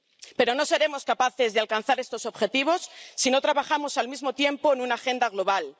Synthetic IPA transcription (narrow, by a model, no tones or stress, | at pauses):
pe̞ɾo̞no̞se̞ɾe̞mo̞skapaθe̞zðealkanθaɾe̞st̪o̞so̞βxe̞t̪iβ̞o̞sːino̞t̪ɾaβaχamo̞salmizmo̞t̪je̞mpo̞enũnaxe̞nd̪aɣlo̞βal